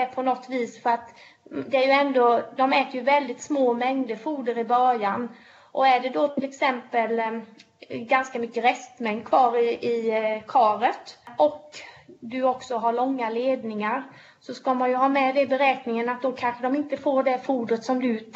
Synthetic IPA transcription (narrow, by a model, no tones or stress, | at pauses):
pʰɔnɔt̪ːviːsfœɾat̪ | d̪ɛæjɵɛnd̪od̪ɔmɛːt̪əɾjɵvɛld̪ɪt̪smoːmɛŋd̪əfuːd̪əɾɪbœɾjan | ʔɔæɖɛd̪ɔt̪ʰɪlɛksɛmpəl | ɡanskamʏkːəɾɛst̪mɛŋd̪kʰvɑːɾɪɪkʰɑːɾət̪ʔɔkd̪ɵɔksɔɦaɭɔŋːaleːd̪nɪŋaɾ | sɔskamanjɵɦɑːmɛd̪ɛbɛɾɛːknɪŋənat̪̚d̪ɔkʰanɧəd̪ɔmɪnt̪əfoːɖɛfuːd̪ɾət̪sɔmd̪ɵ